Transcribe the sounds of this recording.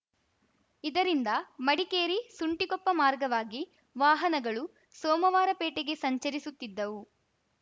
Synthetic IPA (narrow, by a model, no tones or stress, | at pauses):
id̪ɐɾind̪ɐmɐɽikeːɾisuɳʈikɔpːɐmaːɾɡɐʋaːɡi | ʋaːɦɐnɐɡɐɭu | sɔːmɐʋaːɾɐpeːʈeɡe̞sɐɲt͡ʃɐɾisut̪ːid̪ːɐʋu